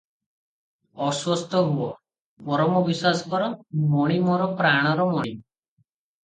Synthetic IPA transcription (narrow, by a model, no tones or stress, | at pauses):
ɔswɔst̪ɔɦuɔ | mɔɾɔmɔbiswasɔ̥kɔɾɔmɔɽ̃imɔɾɔpɾaɽ̃ɔɾɔmɔɽ̃i